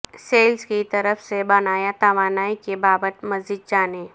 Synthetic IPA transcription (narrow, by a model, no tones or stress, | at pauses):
seːlskit̪ɐɾəfsebɐnaːjat̪aʋaːnaːikebaːbət̪mɐzd͡ʒid̪̚d͡ʒaːne